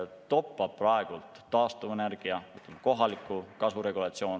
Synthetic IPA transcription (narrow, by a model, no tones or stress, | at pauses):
t̪o̞pːɑb̥̚prɑeɡ̥ult̪ːɑːst̪uvenerɡ̥iɑmɯt̪ːˑemko̞ɦɑlikːˑukɑsvuɾe̞ɡulɑt̪sio̞ːn